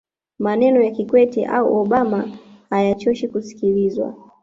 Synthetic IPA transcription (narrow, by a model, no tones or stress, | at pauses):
manɛnɔjakikwɛtḭʔa̰uʔɔɓamahajat͡ʃɔʃikusi̥kilizwa̰